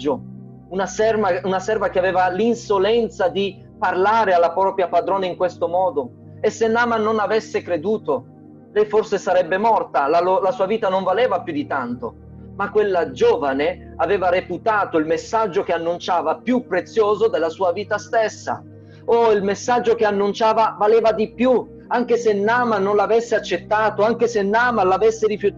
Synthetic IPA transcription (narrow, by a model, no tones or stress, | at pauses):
d͡ʒo | unasɛrvaunasɛrvak̟eavɛːvalinsolɛnt̪sad̪i | parlaːɾealːapɾɔːpɾjapad̪ɾoːnaiŋkwest̪omɔːd̪o | esːenːaːmanːonavesːekɾed̪uːt̪o | lɛjforsesaɾɛbːemɔrt̪alalolasuːaviːt̪anoɱvalɛːvapjud̪it̪ant̪o | makːwelːad͡ʒoːvane | aveːvaɾeput̪aːt̪oilmesːad͡ʒːok̟eanːunt͡ʃaːvapjupːɾet̪sːjoːzod̪elːasuːaviːt̪ast̪esːa̰ | oilmesːad͡ʒːok̟eanːunt͡ʃaːvavalɛːvad̪ipju | aŋk̟esenːaːmanːonlavesːeat͡ʃːet̪ːaːt̪oaŋk̟esenːaːmalavesːeɾifju